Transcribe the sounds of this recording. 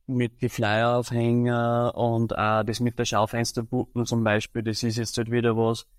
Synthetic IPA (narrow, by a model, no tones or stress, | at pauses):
mɪt̪̚ɡ̥ɪflæɪɐaʊfhɛŋəʊnd̪a̰ːd̪esmɪt̪̚d̥əɐʃaʊfɛnstɐpup̚m̩t͡sʊmbæɪʃpiːldesɪs̬jɛt͡sthøtʋiːdɐʋɔs